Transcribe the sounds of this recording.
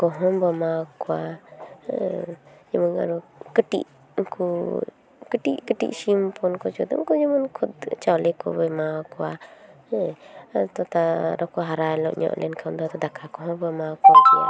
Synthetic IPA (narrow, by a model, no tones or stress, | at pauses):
kɔɦɔmbɔmakɔwa | d͡ʒəməŋa̰ɾɔkəʈḭʔ | kʰu | kəʈiʔkəʈḭʔsimpɔnkɔt͡ʃɔd̪ɔ̰kɔd͡ʒəmənkʰud̪t͡ʃawlɛkɔbɛmakɔwa | t̪ɔt̪aɾɔkɔɦaɾajlɔ̰ʔɲɔ̰ʔlʔɛ̰nkʰawnd̪ɔat̪ɔd̪akʰakɔɦɔmbɔmakɔkɔa̰